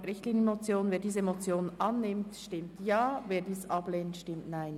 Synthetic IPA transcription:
ɾɪçtliːnəmot͡sjoːnveːdiːzəemot͡sjoːnʔɑnːɪmtʃtɪmtjɑːveːdiːsʔɑbleːntʃtɪmtnaɪn

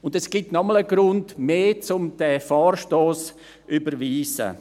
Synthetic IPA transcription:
ʊndɛsɡ̥itnɔmələɡɾʊndmeːt͡sʊmd̥ɛfaːrʃtoːs | ʔybəɾʋiːzə̰

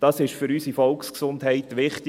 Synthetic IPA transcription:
d̥ɑsɪʃfʏɾyːsifɔlksksʊndɦɛɪt̪ʋɪχtɪ

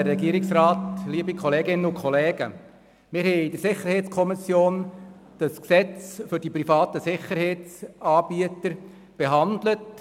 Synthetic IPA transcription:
ɾːɛɡiəɾɪksrɑːtliːbikʰɔleːɡɪnəʊkʰχɔlɛːɡ̥ə | mɪɾɦɛɪɪd̥əɾsɪχəɾhɛɪt͡skʰɔmɪsjoːnd̥ɑsksɛt͡sfʏɾd̥ipɾifɑːt̪əsɪχəɾhɛɪt͡sɑːb̥iətəɾ | b̥eɦɑnd̪lət

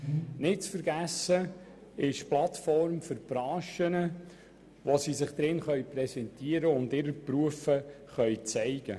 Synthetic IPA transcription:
nɪt̚t͡sfəɾɡæsə | ɪʃplɑtfɔɾmfʏɾpɾɑːʃənə | ʋosisɪχd̥ɾɪnχœɥpɾɛsɛntiəɾəʊndɪɾəpruəfəχœɥt͡sɛɪɡ̥ə

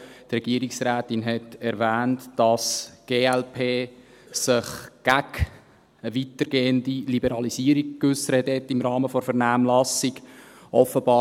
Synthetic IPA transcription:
trɛɡ̥iəɾiksɾæːtɪnɦɛtɛɾvæːntd̥ɑsɡ̥eːɛlpʰeː | sɪχɡ̥æɡ | əʋitəɾɡeːəndilibəɾɑlisiːəɾik̚kːʏsəɾəəthɛtːɪmɾɑːməfɔɾfɛɾnæːmlɑsiɡʔɔfəbɑː

